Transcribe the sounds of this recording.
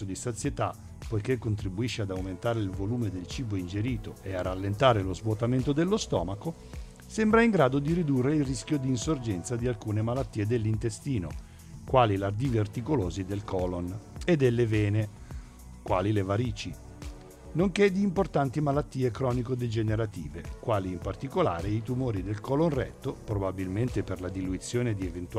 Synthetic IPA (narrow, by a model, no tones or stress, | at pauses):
od̪isat̪sjet̪a | pojkekːont̪ɾibuiʃːead̪awment̪aːɾeilvoluːmed̪elt͡ʃiːboind͡ʒeɾiːt̪oearːalːent̪aːɾelozvwot̪ament̪od̪elːost̪ɔ̰ːmako | sembɾaiŋɡɾaːd̪od̪iɾid̪urːeilrisk̟jod̪iːnsord͡ʒɛnt̪sad̪ialkuːnemalat̪ːiːed̪elːint̪est̪iːno̰ | kwaːlilard̪ivert̪ikoloːzid̪elkɔloned̪ːelːevɛːne | kwa̰ːlilevaɾiːt͡ʃi | noŋked̪ːiːmport̪ant̪imalat̪ːiːekɾɔːnikod̪ed͡ʒeneɾat̪ḭːvḛkwaːliːmpart̪ikola̰ːɾeit̪umoːɾid̪elkɔlonrɛ̰t̪ːopɾobabilment̪eperlad̪iluit̪sːjoːned̪ievent̪